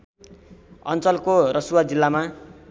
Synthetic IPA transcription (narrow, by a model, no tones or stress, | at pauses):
ʌ̰nt͡sʌlkorʌsuwad͡zilːama